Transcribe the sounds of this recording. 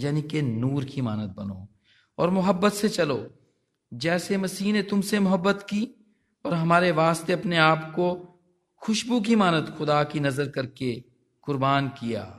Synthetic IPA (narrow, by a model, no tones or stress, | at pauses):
jaːnikenuːɾkimaːnət̪̚bɐno̰ː | ɔːɾmʊɦəbːət̪set͡ʃɐloː | d͡ʒɛːsemɐsiːnet̪ʊmsemʊɦəbːət̪ki | ɔːɾɦɐmaːɾeʋaːst̪eɐpneaːpko | xʊʃbuk̬imaːnət̪xʊd̪akinɐzəɾkɐɾke | kʊɾbaːnkija̰ː